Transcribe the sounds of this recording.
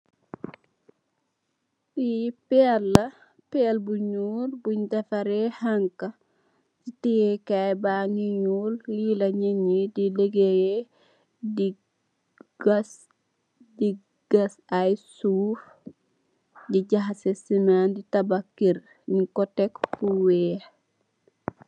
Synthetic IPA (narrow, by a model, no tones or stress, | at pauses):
ɗipɛlːa | pɛlbuɲuːɾbuɲdafaɾɛhaŋka | sitijɛkajbaŋiɲullilaɲeɲidileɡejɛ | di | s | di | ɡ̥asajsuːf | ɟiɟaɦasesimanditabakːiɾ | nikɔtɛkbuwɛːh